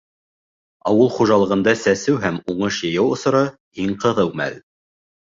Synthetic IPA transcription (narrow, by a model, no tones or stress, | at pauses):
ɑwɤlˠχuʒɑlˠɤ̆ʁɤ̆nd̪ɑsæsɘwɦæmuɴɤʃjɤ̆jɑwŏsɤ̆ɾɑ | iŋqɤ̆ðɤwmæ̰l